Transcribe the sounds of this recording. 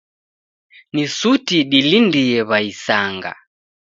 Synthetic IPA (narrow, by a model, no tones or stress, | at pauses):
nisutiɗilindiɛβaisaŋɡa̰